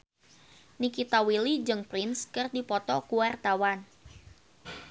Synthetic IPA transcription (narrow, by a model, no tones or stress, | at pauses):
nikit̪awilid͡ʒɨŋpɾɪnskɨrdipɔt̪ɔkuwart̪awan